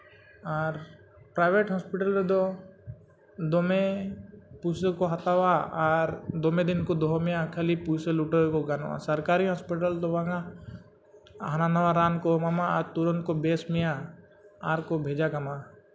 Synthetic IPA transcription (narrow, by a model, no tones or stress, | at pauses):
aɾ | pɾaːɪʋeʈɦɔspɪʈəled̪o | d̪ome | pusəkoɦɐt̪awaaɾd̪omẽd̪ɪnkod̪oɦomijakʰəlipusəluʈəkoɡana̰səɾkaːɾiɦɔspɪʈəlt̪obãŋa | ɦənanɐwaɾaːnkomɐmaaɾt̪uɾənkobeːsmija | aɾkobʱeːd͡ʒakɐma